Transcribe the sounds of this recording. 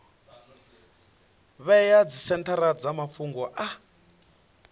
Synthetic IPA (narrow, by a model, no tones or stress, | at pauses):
βɛjad͡zisɛntʰaɾad͡zamapfuŋɡɔʔa